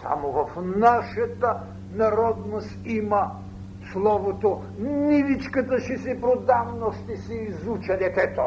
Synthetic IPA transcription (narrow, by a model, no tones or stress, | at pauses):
sa̰movɐfnaʃɐt̪ə | nɐɾɔd̪nost̪imɐ | slˠɔvot̪o | nid̪it͡ʃkət̪əʃɛsɛpɾod̪avnoʃt̪ɛsɛizut͡ʃɐd̪ɛt̪ɛt̪o